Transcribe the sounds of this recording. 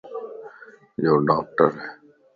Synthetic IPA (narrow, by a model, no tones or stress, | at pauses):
joːɖaːk̚ʈəɾɛ